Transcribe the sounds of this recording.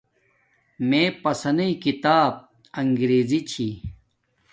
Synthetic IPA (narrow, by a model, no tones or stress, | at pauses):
mẽpɐsɐnɐikit̪aːb̚ | ɐŋɡɾeːzit͡ɕʰi